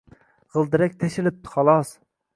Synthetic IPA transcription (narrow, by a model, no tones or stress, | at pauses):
ʁəlˠd̪ɨɾɛk̚ʲt̪ʰɛʃɪlɪp̚t̪ʰχɑlˠɑs